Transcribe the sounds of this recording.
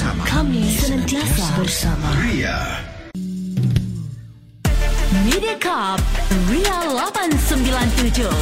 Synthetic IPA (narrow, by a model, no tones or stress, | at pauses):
kʰamisənə̃nt̪iasabərsama | midiakʰap̚rialabansəmbilant̪ud͡ʒo